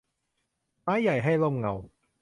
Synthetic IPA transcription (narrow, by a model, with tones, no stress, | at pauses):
maː˨˥jːɐ˨˩jɦɐ˥˩jlo˥˩ŋ͡mŋɐ˨˧w